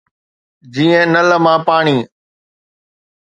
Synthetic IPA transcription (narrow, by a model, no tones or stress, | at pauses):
d͡ʑiːə̃nələmãːpaːɳiː